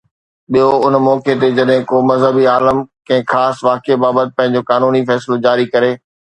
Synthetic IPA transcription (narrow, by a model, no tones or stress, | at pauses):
ɓijoʊnmɔːket̪ed͡ʑɐɗɦɪ̃koːmɐzɦəbiaːləmkɐ̃ɦɪ̃xaːsʋaːkebaːbət̪ɪ̥̆pɐ̃ɦɪ̃ɲ̆d͡ʑokaːnuːnifɛːslod͡ʑaːɾikɐɾeː